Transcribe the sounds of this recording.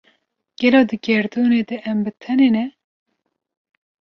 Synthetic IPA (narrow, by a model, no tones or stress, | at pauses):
ɡ̥ɛloːd̪ɨɡɛɾd̪uːneːd̪ɛʔɛmbɨt̪ʰɛnenɛ